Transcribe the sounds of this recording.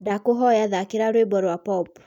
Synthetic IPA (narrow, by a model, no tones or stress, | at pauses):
dakoɦɔjaðakeɾaɾwebɔɾwapɔp